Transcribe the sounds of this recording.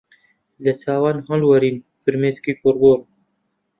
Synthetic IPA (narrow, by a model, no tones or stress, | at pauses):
lɛsaːwaːnɦɑ̃lwɐɾiːn | fɨɾmeːskiːkʊɾɡoːɾ